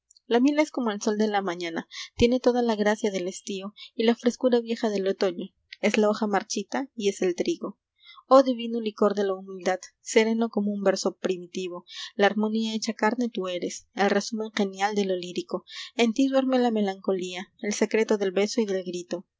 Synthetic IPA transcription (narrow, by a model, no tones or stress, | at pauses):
lamjelae̞sko̞mo̞e̞lso̞ld̪e̞lamãɲãnat̪je̞ne̞t̪o̞ðalaɣɾasjaðe̞lest̪io̞ilafɾe̞skuɾaβje̞xaðe̞lo̞t̪o̞ɲo̞ | e̞zlao̞xamaɾt͡ʃit̪aie̞se̞lt̪ɾiɣo̞ | oðiβinuliko̞ɾðe̞laumild̪að̥ | se̞ɾe̞no̞ko̞mo̞umbe̞ɾso̞pɾimit̪iβo̞laːɾmo̞niaet͡ʃakaɾne̞t̪ue̞ɾe̞se̞lre̞sumẽ̞ŋxe̞njald̪e̞lo̞liɾiko̞e̞nt̪iðwe̞ɾme̞lame̞laŋko̞liaelse̞kɾe̞t̪o̞ðe̞lβe̞so̞iðe̞lɡɾit̪o̞